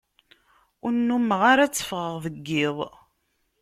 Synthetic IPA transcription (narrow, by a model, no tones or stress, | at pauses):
ʊɾnːumːəʁaɾæt͡sːə̥fʁəʁðəɡːɪðˤ